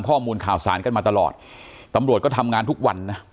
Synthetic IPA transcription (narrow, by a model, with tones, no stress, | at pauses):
mkʰɔː˥˩muː˧nkʰaː˨˩wsa̰ː˩˦nka˧nmaː˧t̪a˧lɔ̰ː˨˩t̪̚t̪ːa˧mɾu˨˩ət̚kɔː˥˩t̪ʰa˧mŋaː˧nt̪ʰu˦˥k̚wa˧nːa˦˥